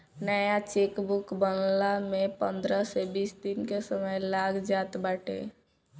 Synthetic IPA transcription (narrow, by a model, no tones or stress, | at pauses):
nəjat͡ʃekbukbənlamepə̃nd̪ɾəsebiːsd̪inkesəməjlaɡd͡ʒaːt̪baːʈʰḛ